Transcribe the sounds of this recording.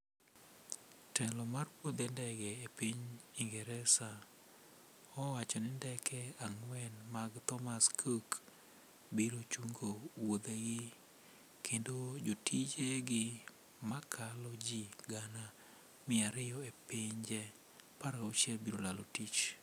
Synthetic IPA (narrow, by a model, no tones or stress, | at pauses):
tɛlɔmarwod̪endɛɡɛepiɲiŋɡɛɾɛsa | ɔwat͡ʃɔnɪndɛkʰɛaŋwɛnmaɡt̪ɔmaskʰok | biɾot͡ʃuŋɡowod̪eɡɪ | kʰendod͡ʒotid͡ʒeɡɪ | makʰalɔd͡ʒiɡana | mɪaɾɪjɔepɪɲd͡ʒɛ | paɾaot͡ʃɛlbiɾolalotit͡ʃ